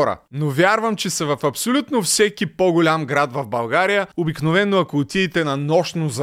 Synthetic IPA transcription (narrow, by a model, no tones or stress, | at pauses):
ɾɐ̰novʲjaɾvəmt͡ʃɛsɐvɐfɐpsolʲut̪nofsɛkipoɡʊlʲamɡɾat̪vɐvbɐlˠɡaɾijəobiknovɛnːoɐkoːt̪ʲiːt̪ɛnɐnɔʃnoz